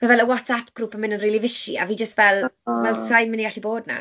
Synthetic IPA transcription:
mavɛlˠəwɔtʰapʰɡ̥ruːpənmɪnənriːlˠivɪʃia̰viːd͡ʒəstvɛlˠvɛlˠsajmɪniɡaɬiboːdna̰

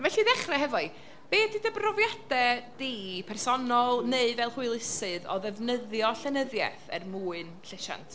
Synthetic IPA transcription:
vɛɬiðɛχrɛɦɛvɔɨ | b̥eːdɪdəbrɔvjad̥ɛd̥iːpʰɛrsɔnɔlˠneɨvɛlˠhuɨlˠɪsɨðɔ̰ðɛvnəðjɔɬɛnəðjɛ̰θɛ̰rmuːɨnɬɪʃa̰ntʰ

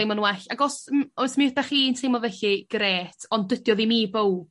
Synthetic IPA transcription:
ejmɔnwɛɬaɡɔsmɔjsmiədaχiːntʰejmɔvɛɬiɡ̥ɾeːtʰɔndədjɔðimiːbow

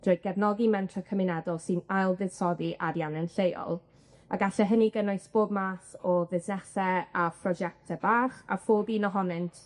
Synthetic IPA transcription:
d̥roːjd̚ɡ̥ɛvnɔɡimɛntʰrakʰəmɪnɛdɔlˠsɨnajlˠðɨð̥sɔðiʔaɾjanənɬejɔ̰lˠ | aɡaɬɛɦəniɡənʊɨsb̥oːb̚masɔvɪsnɛsɛapʰrɔd͡ʒɛk̚tʰɛbaːχa̰foːbiːnɔɦɔnɨntʰ

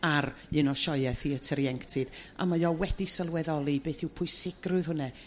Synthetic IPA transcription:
ar | ɨnɔʃɔɨɛθiətʰəɾiɛŋktʰɨð̥a̰majɔwɛdisəlˠwɛðɔlˠibeːθɪwpʰʊɨsɪɡ̥rʊɨð̥hʊnɛ

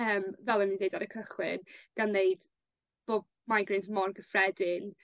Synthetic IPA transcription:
əːmvɛlˠənɪndejdaɾəkʰəχlˠɪ̰nɡ̥anːejd̥ | b̥oːb̚ | majɡɪzmɔrɡəfrɛdɪn

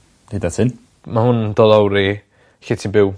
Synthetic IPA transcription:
dedatʰɪn | mahʊnd̥ɔðawɾi | ɬɪtʰinbɪw

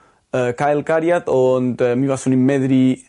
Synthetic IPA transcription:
əkajlkaɾjat̪ont̪ɛmiβasunimːɛðɾi

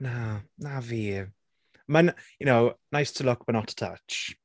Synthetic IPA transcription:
nanavi | mənjənoʊnaɪstʰəlʊk̚b̥ət̚ⁿnɔtʰə̥tʰʌ̰t͡ʃ

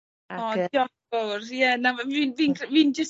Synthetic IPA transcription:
aɔɔ | ɔrijɛnaviːnviːnkʰviːnd͡ʒəs

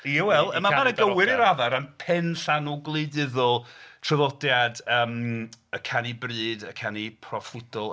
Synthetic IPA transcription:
jawɛlˠəmamanəɡəwɪɾiɾaðaɾənpʰɛnɬanuɡlˠeɨdɪðɔlˠtʰrəvɔdjadəːməkʰanibrɨːdəkʰanipʰrɔflɪd̥ɔlˠ

